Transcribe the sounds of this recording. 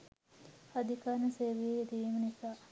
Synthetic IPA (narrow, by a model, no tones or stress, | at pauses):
ad̪ikaːnəseːʋijeed̪imənisaː